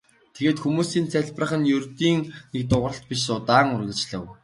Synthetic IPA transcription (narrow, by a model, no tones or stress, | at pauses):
t̪ʰeɣeːt̪xumuːsiːnt͡sæɮprə̆χə̆njɵrt̪iːŋnek̚t̪ʊʁə̆ɬt̪̚pʲiʃsʊt̪aːŋʊrɣʲɘ̆t͡ɕɮə̆w